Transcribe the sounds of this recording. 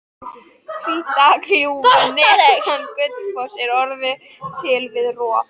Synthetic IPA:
kʰit̪akliunɛanːpʏt̪fɔ̥sɛɾɔɾðʏ | t̪ʰɪlvɪðrɔː

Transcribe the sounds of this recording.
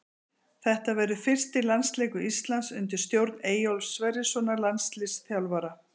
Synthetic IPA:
θɛht̪avɛːɾʏfɪr̥st̪ɪlanst̪leːjkʏist̪lansʏnt̪ɪɾ̥st̪jowɾt̪neːjowlsːvɛɾɪsɔnalanst̪lɪsθjawlvaɾa

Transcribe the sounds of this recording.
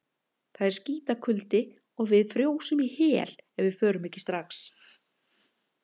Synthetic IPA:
θaðɛɾ̥sciːt̪akʰʏlt̪ɪ | ɔɣvɪðfɾjoːwsʏmihɛːl̥ɛvvɪðfœːɾʏmɛhcːɪ̥st̪ɾaxs

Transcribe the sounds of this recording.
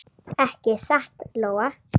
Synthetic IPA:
ɛhcɪsaht̪loːwa

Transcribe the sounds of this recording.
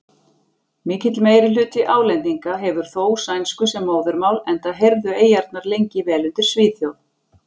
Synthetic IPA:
mɪːcɪt̪lmeːjɾɪlʏːt̪ɪʔaːwlɛnt̪iŋkaɦɛvʏɾ̥θoːwsajnskʏsɛmːoːwðʏɾmaːwlɛnt̪aðɦeɾðʏeːjaɾt̪naɾlejɲcɪvɛːlʏnt̪ɪɾ̥sviːθjow

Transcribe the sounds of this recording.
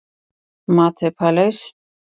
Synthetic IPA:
mat̪ʰɛpʰalɛs

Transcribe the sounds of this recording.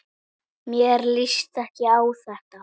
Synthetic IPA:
mjɛɾlist̪ɛhcɪaːwθɛht̪a

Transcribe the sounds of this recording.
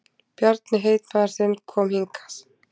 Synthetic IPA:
b̥jɔɾt̪nɪɦejt̪maɾsɪnkʰɔmhiŋkʰḁs

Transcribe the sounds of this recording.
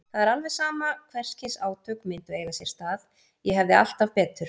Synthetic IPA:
θaðɛɾalvɛ̥saːmakʰvɛr̥scɪsaːwt̪ʰœkmɪnt̪ʏeːjɣasjɛɾ̥st̪aːð | jɛɦɛvðɪa̰l̥t̪avpɛːt̪ʏɾ̥

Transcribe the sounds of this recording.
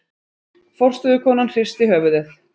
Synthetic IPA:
fɔr̥t̪ʏðʏkʰɔːnanr̥ɪr̥st̪ɪɦœːvʏðɪθ

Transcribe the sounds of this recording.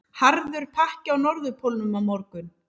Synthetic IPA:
haɾðʏɾ̥pʰahcawnɔɾðʏpʰolnʏmawmɔɾkʏn

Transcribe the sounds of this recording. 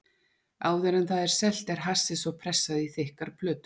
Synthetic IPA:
aːwðɛɾɛnθaðɛɾ̥sɛl̥t̪ɛɾ̥ɦasɪsɔɣpʰɾɛsːaðiθɪhkaɾ̥pʰlœːt̪ʏ̥

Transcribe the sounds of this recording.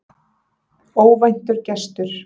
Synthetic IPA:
oːwvajn̥t̪ʏɾcɛst̪ʏɾ̥

